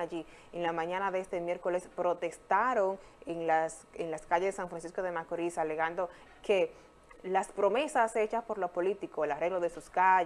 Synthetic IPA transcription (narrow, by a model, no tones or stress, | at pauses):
aʝi | enlamãɲãnaðeest̪emje̞ɾko̞le̞spɾo̞t̪e̞st̪aɾoŋeŋlas | eŋlaskaʝezðesaɱfɾansisko̞ðe̞makoɾisale̞ɣand̪o̞ | ke̞ | laspɾo̞me̞sase̞t͡ʃaspo̞ɾlo̞po̞lit̪ikoelare̞ɣloðe̞suska